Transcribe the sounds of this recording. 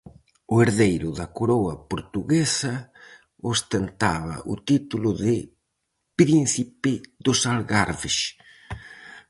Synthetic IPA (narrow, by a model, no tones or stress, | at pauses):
oeɾðejɾʊðakoɾowapoɾt̪uɣesa | ost̪ent̪aβa̰ʔṵt̪it̪ulʊðɪ | pɾinθipɪðosalɣaɾβeʃ